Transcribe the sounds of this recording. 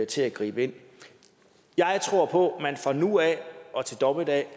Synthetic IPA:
t͡sʰe̝æɡ̥ʁḭːb̥əe̝n̰ | jɑ̈ɪt͡sʰʁo̝ɐ̰pʰɔ̽mænfʁɑ̈nuæʔɒ̽t͡sʰe̝ld̥ɒ̽b̥əd̥ɛ

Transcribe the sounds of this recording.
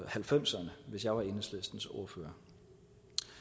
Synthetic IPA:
hælfem̰sɐnəʋe̝sjɑ̈ɪʋɑ̈e̝nəslesd̥n̩so̝ːɐfø̰ːɐ

